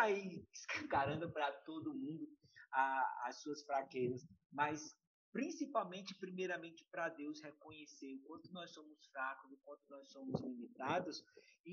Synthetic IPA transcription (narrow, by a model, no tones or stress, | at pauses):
aiɪskɐ̃kaɾɐ̃nd̪ʊpɾɐt̪od̪ʊmũnd̪ʊ | aassuɐsfɾakezɐsmɐjs | pɾĩsipawmẽnt͡ʃɪpɾimejɾɐmẽnt͡ʃɪ̥pɾɐd̪ewshekõɲeseɾkwɐ̃nt̪ʊnɔjsõmʊsfɾakʊzokwɐ̃nt̪ʊnɔjsõmʊzlimit̪ad̪ʊsɪ